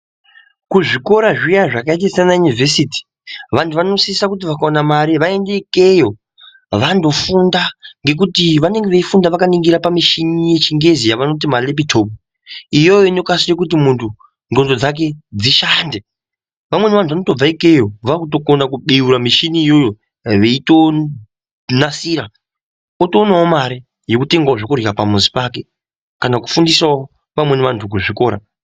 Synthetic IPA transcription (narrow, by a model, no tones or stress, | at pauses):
kuʐiko̞ɾaʐijaʐakait̬asanajunivesiti̥ | ʋantʰuʋano̞sisakut̬iʋakaonamaɾiʋae̞nde̞ike̞jo̞ | ʋando̞fundaŋɡe̞k̬utiʋane̞ŋɡe̞ʋeifundaʋakaniŋɡiɾapamiʃinije̞t͡ʃiŋɡe̞zijaʋano̞t̬imalepitʰo̞p̚u | ijo̞jo̞ino̞kasire̞kut̬imuntʰu | ndo̞ndo̞d͡zak̬e̞d͡ziʃande | ʋamwe̞neʋantʰʋano̞to̞b͡vaike̞joʋakuto̞konakuɓiuɾamiʃiniːjo̞jo̞ | ʋeito̞ | nasiːɾa | otoːnaomaɾi | je̞kute̞ŋɡaʐokurikapamuzi̥pake̞ | kanaku̥fundisao | ʋamwe̞neʋantʰuk̬uʐiko̞ːɾa̰